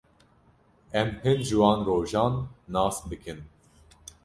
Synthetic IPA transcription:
ɛmhɨnʒɨwɑːnroːʒɑːnːɑːsbɨkʰɨn

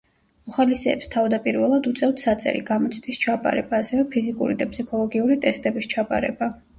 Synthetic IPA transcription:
mɔχalisɛːpst̪ʰavd̪apʼiɾvɛlˠad̪ut̪sʼɛft̪ʰsat̪sʼɛ̰ɾḭɡamɔt̪sʰt̪ʼist͡ʃʰapʼa̰ɾɛ̰baːsɛvɛpʰizikʼṵɾid̪apʼsikʰɔlˠɔɡiuɾit̪ʼɛst̪ʼɛbist͡ʃʰapʼa̰ɾɛ̰ba

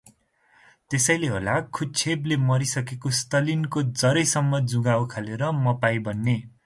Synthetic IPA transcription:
t̪esʌjleɦo̰lakʰut͡sʰeblemʌɾisʌkekost̪ʌlinkod͡zʌɾʌjsʌmːʌd͡zuɡawkʰaleɾʌmʌpajbʌnːe

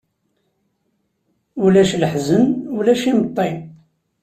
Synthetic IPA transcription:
ulæʃləħzənulæʃimət̪ˤːe

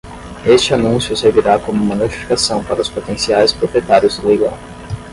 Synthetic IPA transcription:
est͡ʃɪanũsjʊseɾviɾakõmumɐnot͡ʃi̥fi̥kasɐ̃w̃paɾɐʊspot̪ẽsiajspɾopɾiet̪aɾjʊzd̪ɪlejɡɐ̰̃w̃

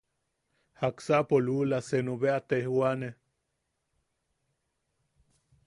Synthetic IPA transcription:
haksaʔpolulasenuβeat̪ehwane

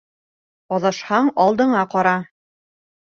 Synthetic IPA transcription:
ɒðɤ̆ʃhɑɴɑlˠd̪ɤ̆ɴɑqɑɾɑ

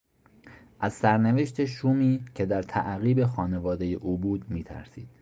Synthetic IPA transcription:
ʔæzsæɾneve̞ʃt̪ʰe̞ʃuːmiːcʰe̞d̪æɾt̪ʰæ̰ʔɣiːbe̞xɒːne̞vɒːd̪e̞je̞ʔuːbuːd̪miːt̪ʰæ̰ɾsḭːd̪̥

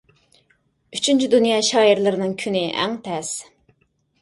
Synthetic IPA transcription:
yt͡ʃʰynt͡ʃʰyd̪unjɑːʃɑːiɾlˠɨɾɨnɨŋkʲʰynɪʔæ̰ŋt̪ʰɛs

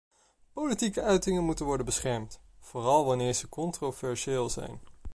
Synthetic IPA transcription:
powlitikəœɥtɪŋənmutənʋɔɹdənbəsχɛɹmtv̥oːrɑlˠʋɑnɪːɹz̥əkɔntrovɛɹseːlˠzɛ̰jn

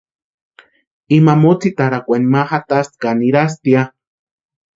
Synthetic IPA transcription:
imamot͡sit̪aɾakʷenimaxat̪ast̪kaniɾas̬t̪ia

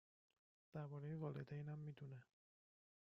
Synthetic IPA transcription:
d̪̥æɾbɒːɾejevɒːled̪ejnæmːiːd̪une

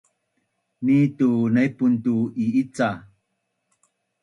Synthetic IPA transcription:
nitunajpuntuiit͡sa

